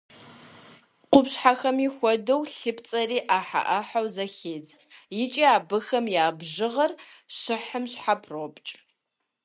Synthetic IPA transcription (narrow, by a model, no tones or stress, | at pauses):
qʷʊpɕħaxɐmixʷɔdɐwɬɨpʰt͡sʼɐriːʔaːħa̰ʔɐħawzɐxeːd͡z | jɪt͡ʃʼiːaːbɨxɐmjaːbʒɪʁɐrɕɨħəmɕħapʰrobt͡ʃʼ